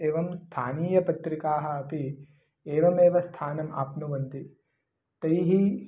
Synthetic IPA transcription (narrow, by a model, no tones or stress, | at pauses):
eːʋɐmst̪ʰaːniːjɐpɐt̪ɾikaːɦɐ̆ɐpi | eːʋɐmeːʋɐst̪ʰaːnɐma̰ːpnuʋɐnt̪i | t̪ɐjɦi